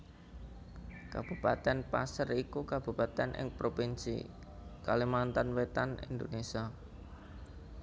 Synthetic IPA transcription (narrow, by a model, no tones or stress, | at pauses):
kab̥upa̰t̪ɛnpasərikukab̥ṳpat̪ɛnʔɪ̰ŋpɾopinsḭ | kalimant̪anwet̪anḭnd̪onesia